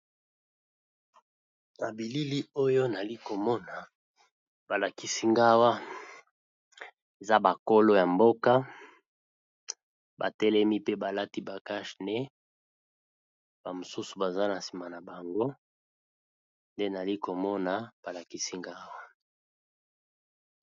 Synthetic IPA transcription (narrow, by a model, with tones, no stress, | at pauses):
na˨bi˨li˦li˦o˦jo˦na˨li˦ko˨mɔ˦na˨ | ba˨la˨ki˦si˦ŋɡa˦wa˦ | e˨za˦ba˨ko˦lo˦ja˨mbo˦ka˦ | ba˨tɛ˦lɛ˦mi˦pe˦ba˨la˦ti˦ba˨ka˦ʃnɛ˦ | b̥a˨mo˨su˦su̥˨ba˨za˦na˨si˨ma˨na˨ba˨ŋɡo˦ | nde˦na˨li˦ko˨mɔ˦na˨b̥a˨la˨ki˦si˦ŋɡa˦wa˦